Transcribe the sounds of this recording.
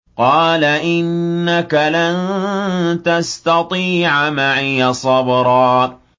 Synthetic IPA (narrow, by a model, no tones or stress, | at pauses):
qɑːlaʔɪnːakalan | t̪ast̪ɑt̪ˤiːʕmaʕijasˤɑbɾˤɑː